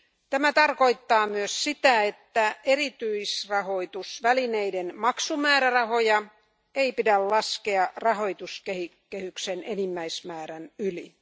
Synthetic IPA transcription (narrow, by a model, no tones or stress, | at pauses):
t̪æmæt̪ɑrkoit̪ːɑːmyøssit̪æet̪ːæʔeɾit̪yisrɑho̞it̪usʋælineidenmɑksumæːɾærɑhojɑ | eipidællɑskeɑrɑɦojt̪uskehi | kːehyksenenimːæismæːɾænyli